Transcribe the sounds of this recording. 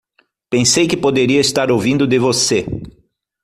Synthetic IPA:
pẽsejkɪpod̪eɾiɐɪst̪aɾowvĩnd̪ʊd̪ɪvose

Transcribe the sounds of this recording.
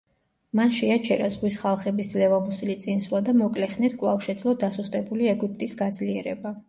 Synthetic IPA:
manʃɛat͡ʃʰɛɾazʁwisχalˠχɛbisd̪zlɛvamusilit̪sʼinswlˠad̪amɔkʼlɛχnit̪ʰkʼlˠafʃɛd̪zlˠɔd̪asust̪ʼɛbuliɛɡip̚ʼt̪ʼisɡad̪zliɛɾɛba

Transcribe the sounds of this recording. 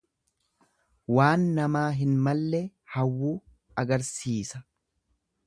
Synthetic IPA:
waːnːɐmaːɦɪnmɐlːɛhɐwːuː | ɐɡɐɾsiːsɐ̥

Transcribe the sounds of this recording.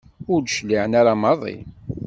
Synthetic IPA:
ʊɾdʃliʕənaɾamɑðˤḭ

